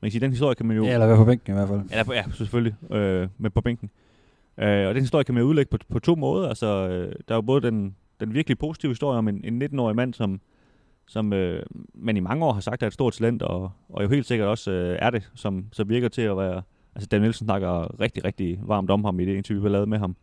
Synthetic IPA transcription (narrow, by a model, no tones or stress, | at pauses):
mænkæsiːd̥enhisd̥o̝ɐjəkʰæmænjo̝elɐʋæɐpʰɒ̽b̥eŋɡ̥n̩iʋæɐ̰fæl̰elɐjæseføljiømepʰɒ̽b̥eŋ̰ɡ̥n̩ | ʔøɒ̽d̥enhiso̝ɐjəkʰæmænjouð̞ˠleɡ̥əpʰpʰɒ̽t͡sʰo̝̰ːmɔːð̞ˠɐælsɒød̥ɑ̈ɐjo̝b̥ɔ̽ːð̞̩ˠd̥en | d̥enʋiɐɡ̥lipʰo̝ːsi̥t͡sʰiʊhiso̝ɐ̰jəɒ̽me̝ne̝nːe̝d̥n̩ɒ̰ːimæn̰sɒ̽m | sɒ̽mømænimɑ̈ŋəɒ̰ːɦɑ̈sɑ̈ɡ̥d̥æɐe̥dsd̥o̝ɐ̰d̚t͡sʰælen̰d̥ɒ̽ːjoɦe̝̰ːld̥se̝ɡ̥ɐɾ̥ɒ̽søæɐɾ̥e̝sɒ̽msɒ̽mʋiɐɡ̥ɐt͡sʰe̝æʋæːɐ | ælsəd̥ænelsn̩snɑ̈ɡ̥ɐʁeɡ̥̚d̥iʁɛɡ̥̚d̥iʋɑ̈ːmd̥ɒ̽mhɑ̈mid̥e̝e̝nt͡sʰiʋib̥eɐlɛːð̩ˠmeɦɑ̈m